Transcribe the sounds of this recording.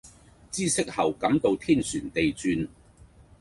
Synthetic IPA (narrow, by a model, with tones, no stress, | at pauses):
t͡siː˥sɪ˥k̚hɐ˨˩wkɐ˨˥mt̪o˧wt̪ʰiː˥˩nsyː˨˩nt̪e˨jt͡syː˧n